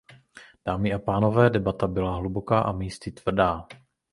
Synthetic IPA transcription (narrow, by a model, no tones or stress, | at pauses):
d̥aːmɪʔapaːno̞vɛːdɛbat̪abɪlaɦlubokaːʔamiːst̪ɪt̪v̥r̩daː